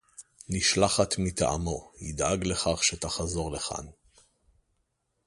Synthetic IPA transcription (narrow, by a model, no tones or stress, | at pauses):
niʃlaχat̪mit̪aʔa̰mo̞hid̪aɡle̞χaχʃet̪aχazo̞ʁleχa̰n